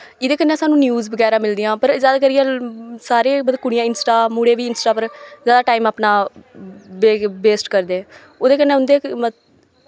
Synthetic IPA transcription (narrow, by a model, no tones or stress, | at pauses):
ɪd̪eːkənːẽːsaːnũːnjuːzbəɡɛːɾãːmɪld̪ɪːãːpəɾzjaːd̪aːk̬əɾɪjãːsaːɾeːbəd̪kʊɽɪjãːɪnsʈaːmuːɽeːʋiːɪnsʈaːpəɾzjaːd̪aːʈaːiːmaːpnaː | beːbeːsʈkəɾd̪eːɛ̃ | oːd̪eːkənːẽːʊnd̪eː